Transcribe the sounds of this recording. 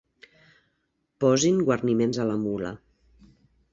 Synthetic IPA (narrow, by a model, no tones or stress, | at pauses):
pɔziŋɡwəɾnimenzələmulə̰